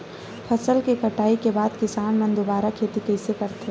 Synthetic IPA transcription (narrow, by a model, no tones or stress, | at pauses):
pʰɐsəlkekɐʈaːikebaːd̪kɪsaːnmɐ̃nd̪obaːɾakʰeːt̪ikɛɪsekɐɾt̪ʰɦe